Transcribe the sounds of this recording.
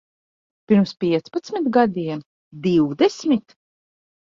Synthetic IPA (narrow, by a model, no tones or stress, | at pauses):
piɾmspʲiɛt̪spat̪smʲit̪ɡad̪iɛm | d̪iwd̪ɛsmit̪